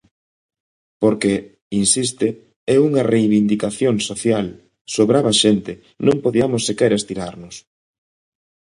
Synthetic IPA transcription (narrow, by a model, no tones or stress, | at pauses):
poɾke | insist̪e | ɛuŋɐrejβind̪ikaθjoŋsoθjal | soβɾaβɐʃent̪ɪ | nõŋpoðiamʊsːekɛɾest̪iɾaɾnʊs